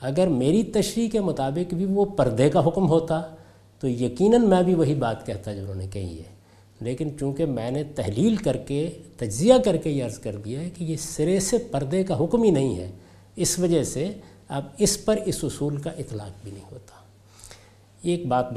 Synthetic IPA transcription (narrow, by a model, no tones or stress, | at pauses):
ɐɡəɾmeːɾit̪ɐʃɾiːkemʊt̪aːbɪkbʱiʋopɐɾd̪ekaɦʊkmɦoːt̪a | t̪ojɐqiːnənmɛ̃bʱiʋɐɦibaːt̪kɛɦt̪ad͡ʒoʊnɦõːnekɐɦḭɦɛ̰ː | leːkɪnt͡ʃũːkemɛ̃ːnet̪ɛɦliːlkɐɾket̪ɐd͡ʒzijakɐɾkejeɐɾzkɐɾd̪ijaɦɛkijesɪɾesepɐɾd̪ekaɦʊkminɐɦĩɦɛ̰ː | ɪsʋɐd͡ʒəɦse | ɐbɪspɐɾɪsʊsuːlkaʔɪt̪la̰ːq̚bʱinɐɦĩɦo̰ːt̪ḁː | eːk̚baːt̪̚